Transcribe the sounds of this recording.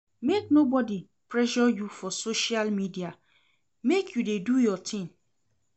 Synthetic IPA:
mek̚nobɔdi | pʰɹɛʒɔjufɔsoʃialmidia | mekʰjudedujɔtʰɪ̃ŋ

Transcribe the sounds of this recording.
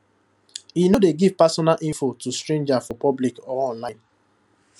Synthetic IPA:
inodeɡiv̥pasɔnalʔĩnfotustɾẽnd͡ʒafɔpɔblikɔɔ̃nlaɪ̃n

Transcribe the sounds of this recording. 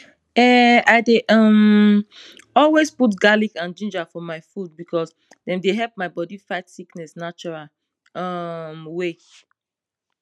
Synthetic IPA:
ɛaɪdeʔʌm | ɔlwesput̬ɡalikãnd͡ʒĩnd͡ʒafɔmaɪfud̚bikʰɔs | dɛ̃mdeɦɛlp̚maɪbɔdifaɪtsiknɛsnat͡ʃuɹal | ʌmwe

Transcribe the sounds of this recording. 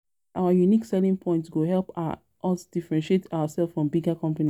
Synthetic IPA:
ʔaʊajuniksɛlĩŋpʰɔ̃ɪ̃ntsɡoɦɛlˠpa | ʔɔsd̥ifɛɹɛ̃nʃietʰaʊasɛlˠffɹɔ̃mbiɡakɔ̃mpani

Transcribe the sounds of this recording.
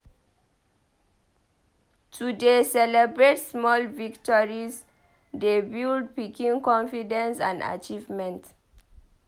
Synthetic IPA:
tʰudesɛlɛbɹetsmɔlviktɔɹiz | debild̚pikĩŋkɔ̃nfidɛ̃nsã̰nda̰t͡ʃivmɛ̃nt

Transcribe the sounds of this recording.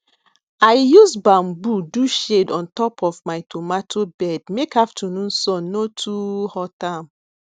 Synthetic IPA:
aɪjusbãmbuduʃedɔ̃ntɔpʰɔfmaɪtʰomatʰobɛd̚mekaftʰunũnsɔ̃nːotʰuhɔtãm

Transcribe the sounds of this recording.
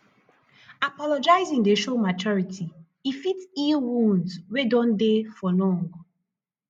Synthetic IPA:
apɔlɔd͡ʒaɪzĩŋdeʃomat͡ʃɔɹitʰi | ifitilwũndswedɔ̃ndefɔlɔ̃ŋɡ

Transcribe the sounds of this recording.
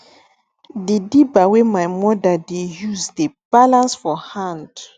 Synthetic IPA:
dedibawemajmɔdadejuzdeb̥alãnsfɔhãnd

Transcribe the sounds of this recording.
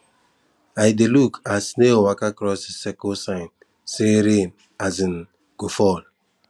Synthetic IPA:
ajdelukʰasnewakakɾɔssekosaɪn | seɾem | azin̩ | ɡ̥ofɔl

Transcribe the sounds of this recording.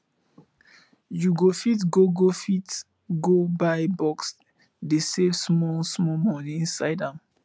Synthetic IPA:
juɡofitɡoɡofit | ɡobaɪbɔks | desesmɔlsmɔmɔnĩĩnsaɪdãm

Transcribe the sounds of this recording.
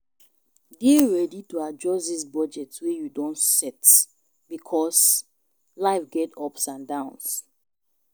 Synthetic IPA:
diɹɛdituad͡ʒɔsðis̬bɔd͡ʒɛtwejudɔ̃ntsɛt | b̥ikʰɔs | laɪfɡɛtʰɔpsãndãʊ̃ns

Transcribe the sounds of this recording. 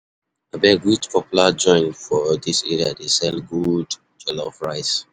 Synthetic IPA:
abɛɡutpʰɔpjulad͡ʒɔ̃ɪ̃nfɔdisɛ̰ɹia̰desɛlɡud | d͡ʒɛlɔfɹaɪs

